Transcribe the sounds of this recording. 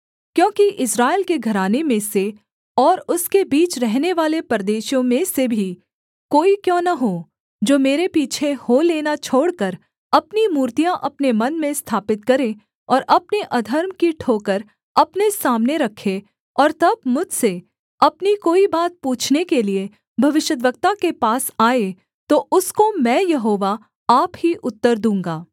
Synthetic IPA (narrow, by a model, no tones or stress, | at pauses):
kjõːkiʔɪsɾaːɪlkeɡʱɐɾaːnemẽse | ɔːɾʊskebiːt͡ʃɾɛɦneʋaːlepɾəd̪eːʃjõmẽsebʱi | koːikjõːnɐɦo | d͡ʒoːmeːɾepiːt͡ʃʰeholeːnat͡ʃʰoːɽkəɾ | ɐpnimuːɾt̪ijãʔɐpnemɐnmẽst̪ʰaːpɪt̪̚kɐɾẽ | ɔːɾʔɐpneʔɐd̪ʱəɾmkiʈʰoːkəɾ | ɐpnesaːmneɾɐkʰːe | ɔːɾt̪ɐbmʊd͡ʒʱse | ɐpnikoːibaːt̪̚puːt͡ʃʰnekelie | bʱɐʋɪʃjəd̪̬ʋəɡ̚t̪akepaːsaːe | t̪oʔʊskomɛ̃ːjɐɦoːʋa | aːpɦiʔʊt̪ːəɾd̪ũːŋ̆ɡaː